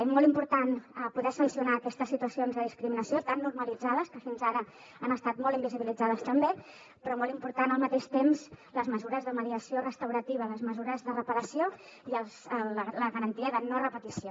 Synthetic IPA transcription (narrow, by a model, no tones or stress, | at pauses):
mɔlˠimpuɾt̪anpuðɛsənsiunaːkɛst̪əsːit̪uəsionzðəðiskɾiminəsiot̪anːuɾməlid͡zaðəskəfinzaɾə | anəst̪at̪mɔlˠimbiziβilid͡zaðəst̪əmbe | pɾɔmɔlimpuɾt̪anəlˠmət̪eʃt̪emzləzməzuɾəzðəməðiəsiorəst̪əwɾət̪iβ̞ələzməzuɾəzðərəpəɾəsio | iəlˠzləɣəɾənt̪iəðənorəpət̪isio